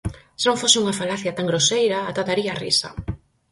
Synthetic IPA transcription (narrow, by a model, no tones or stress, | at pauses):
senõŋfosɪuŋafalaθjɐt̪aŋɡɾosejɾɐːt̪at̪aɾiarḭsɐ̰